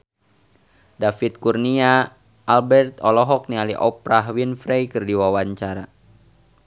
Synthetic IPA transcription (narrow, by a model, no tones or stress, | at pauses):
dafit̪̚kurniaː | lbɛrt̪ɔlɔɦɔk̚nialiʔɔpɾaɦwinfɾɛjkɨrdiwawaɲt͡ʃaɾa